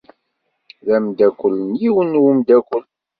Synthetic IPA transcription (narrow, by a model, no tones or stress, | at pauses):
ðæmd̪ækʷːəlːənjiwənwumd̪ækʷːəl